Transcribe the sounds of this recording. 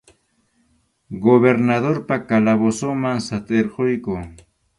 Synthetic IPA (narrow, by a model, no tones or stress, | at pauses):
ɡoβeɾnaðoɾpakalaβosomaŋsat̪ʼeɾɢojkʊː